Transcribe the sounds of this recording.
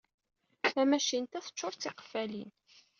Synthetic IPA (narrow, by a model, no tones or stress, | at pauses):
æmæʃint̪æθə̥t͡ʃːʊɾˤt͡sːiqə̥fælḭn